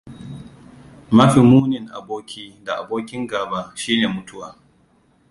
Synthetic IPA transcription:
ma˦ɸi˨muː˦nɪ˨ŋʔa̰˨boː˦kʲiː˦da˨ʔa̰˨boː˦kʲɪ˦ŋɡaː˨ba˦ʃiː˦neː˨mʊ˦tʰʊ˦waː˨

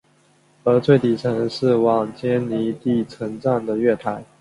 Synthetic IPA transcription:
ə˧˥t͡sʰwe˥˩ɪt̪i˨˩t͡sʰə˧˥ŋʂɻ̩˥˩wɑ˨˩ŋt͡ɕjɛ˥nni˧˥t̪i˥˩t͡sʰə˧˥ŋʈ͡ʂa˥˩nd̪ə˩ɥɛ˥˩t̪ʰa˧˥ɪ

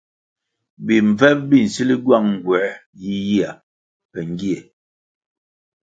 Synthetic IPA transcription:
bi˨ɱ˨vɛ˦p̚bi˦˨n̩˨si˦li˦ɡwa˦˨ŋŋ˨ɡwɛ˨˦ji˦ji˦a˨ | pɛ˨ŋ˦ɡi˦ɛ˨

